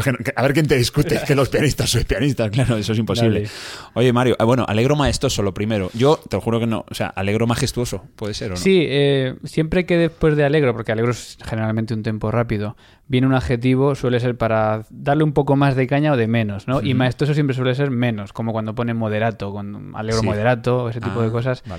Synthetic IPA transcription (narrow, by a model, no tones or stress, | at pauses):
kenokeaβeɾk̬jent̪e̞ðiskut̪ekelo̞spianist̪asoepianist̪asklaɾoesoes̬impo̞siβleo̞ʝe̞maɾjoʔβwe̞no̰ʔa̰le̞ɣɾomaest̪o̞solo̞pɾime̞ɾoʝo̞t̪eoxuɾo̞keno̰osea̰ʔale̞ɣ̞ɾo̞maxe̞st̪uo̞so̞pwe̞ðe̞se̞ɾosiesje̞mpɾe̞ke̞ðespwe̞zðe̞ale̞ɣɾopo̞ɾke̞aleɾoesxe̞neɾalmẽnt̪̬eunt̪empo̞rapiðo̞ | bje̞neunaðxe̞t̪̬iβ̞o̞swe̞le̞s̬e̞ɾpaɾad̪aɾleumpo̞ko̞mazðekaɲaoð̞e̞mẽ̞no̞zno̞ʔimaest̪o̞s̬os̬jempɾes̬we̞le̞se̞ɾmẽ̞no̞skomokwand̪opo̞ne̞mo̞ð̞e̞ɾat̪o̞kwand̪oa̰leɣɾomoðe̞ɾat̪oːes̬et̪ipoðeko̞sas